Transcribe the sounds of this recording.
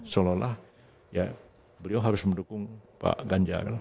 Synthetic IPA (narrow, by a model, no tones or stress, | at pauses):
solɔhlah | ja̰ | bəliawɦaɾʊsməndukʊŋpa̰ʔɡaɲd͡ʒa̰kal